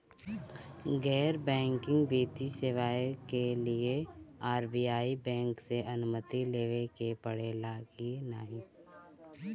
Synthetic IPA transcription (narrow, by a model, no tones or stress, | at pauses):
ɡɛːɾbɛ̃ːŋkɪ̃ŋɡbiːt̪isɪʋaːekelieaːɾbiːjaːibɛ̃ːŋkseʔɐnʊmət̪ileːʋekepəɽeːlaːɡina̰ɦĩː